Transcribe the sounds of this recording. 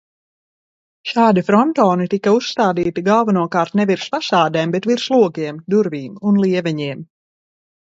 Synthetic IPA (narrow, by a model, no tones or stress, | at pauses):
ʃaːd̪ifɾɔnt̪ɔːnit̪ikausst̪aːd̪iːt̪iɡalˠvanuɔkaːɾt̪nɛviɾspasaːd̪ɛːmbɛt̪viɾslˠuɔkiɛmd̪uɾviːmunlˠiɛvɛɲiɛm